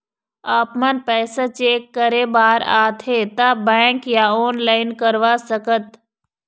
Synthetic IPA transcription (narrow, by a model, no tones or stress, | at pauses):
aːpmɐnpɛːsat͡ʃeːkːəɾebaːɾa̰ːt̪ʰet̪abɛ̃ːŋkjaɔːnlaːɪnkəɾʋasəkət̪